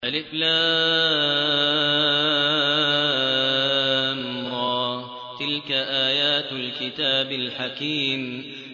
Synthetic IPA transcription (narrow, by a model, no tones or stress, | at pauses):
ʔalɪflaː | mɾˤɑː | t̪ɪlkaʔaːjaːt̪lkɪt̪aːbalħakiːm